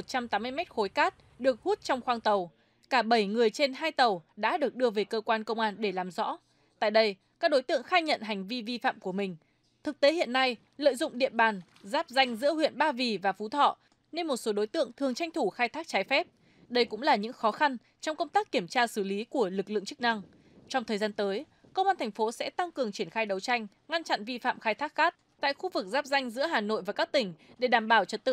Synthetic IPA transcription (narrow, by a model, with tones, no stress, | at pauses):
o˨˩t̚t͡ɕa˧mt̪aː˨˦mɨ˧əjmɛ˦˥t̚xo˨˦jkaː˦˥t̚ | ɗɨ˨˩ək̚hu˦˥t̚t͡ɕɔ˧wŋ͡mxwaː˧ŋt̪ə˨˩w | kaː˧˩ɓə˧˩jŋɨ˨˩əjt͡ɕe˧nɦaː˧jt̪ə˨˩wɗa̰ː˧˥ɗɨ˨˩ək̚ɗɨ˧əve˨˩kəː˧kwaː˧nkə˧wŋ͡mʔaː˧nɗe˧˩laː˨˩mzɔ̰˧˥ | t̪a̰ː˧˨jɗə˧j | kaː˦˥k̚ɗo˨˦jt̪ɨ̰˧˨əŋxaː˧jɲə̰˧˨nɦa˨˩ŋ̟vi˧vi˧fa̰ː˧˨mku˧˩əmï˨˩ŋ̟ | t̪ʰɨ˨˩k̚t̪e˨˦hḭ˧˨ənːa˧j | lə̰ː˧˨jzʊ̰˧˨ŋ͡mɗḭ˧˨ənɓaː˨˩n | zaː˦˥p̚za˧jŋ̟zɨ̰˧˥əɦwḭ˧˨ənɓaː˧vi˨˩vaː˨˩fu˨˦t̪ʰɔ̰˧˨ | ne˧nmo˨˩t̚so˨˦ɗo˨˦jt̪ɨ̰˧˨əŋt̪ʰɨ˨˩əŋt͡ɕa˧jŋ̟t̪ʰu˧˩xaː˧jt̪ʰaː˦˥k̚t͡ɕaː˨˦jfɛ˦˥p̚ | ɗə˧jkʊ̰˧˥ŋ͡mlaː˨˩ɲɨ̰˧˥ŋxɔ˨˦xa˧n | t͡ɕɔ˧wŋ͡mkə˧wŋ͡mt̪aː˦˥kːi˧˩əmt͡ɕaː˧sɨ˧˩li˨˦ku˧˩əlɨ˨˩k̚lɨ̰˧˨əŋt͡ɕɨ˦˥k̚na˧ŋ | t͡ɕɔ˧wŋ͡mt̪ʰəː˨˩jzaː˧nt̪əː˨˦j | kə˧wʔaː˧nt̪ʰŋ̟fo˨˦sɛ̰˧˥t̪a˧ŋkɨ˨˩əŋt͡ɕi˧˩ənxaː˧jɗə˨˦wt͡ɕa˧jŋ̟ | ŋa˧nt͡ɕa̰˧˨nvi˧fa̰ː˧˨mxaː˧jt̪ʰaː˦˥k̚xaː˦˥t̚t̪a̰ː˧˨jxu˧vɨ˨˩k̚zaː˦˥p̚za˧jŋ̟zɨ̰˧˥əɦaː˨˩no̰˧˨jvaː˨˩kaː˦˥k̚t̪ï˧˩ŋ̟ɗe˧˩ɗaː˧˩mɓaː˧˩wt͡ɕə˨˦t̚t̪ɨ̰˧˨